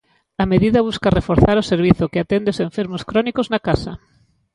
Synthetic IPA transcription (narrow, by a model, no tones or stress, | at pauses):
ameðiðɐβ̞uskarefoɾθaɾʊseɾβ̞iθʊkeat̪end̪eoseɱfeɾmʊskɾɔnikoznakasɐ